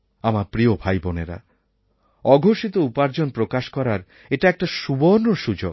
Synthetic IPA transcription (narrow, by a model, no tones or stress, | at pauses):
amaɾpɾiobʱajboneɾa̰ | ɔɡʱoʃit̪oupaɾd͡ʑonpɾokaʃkɔɾaɾ | eʈaɛk̚ʈaʃuboɾnoɾʃud͡ʑoɡ̚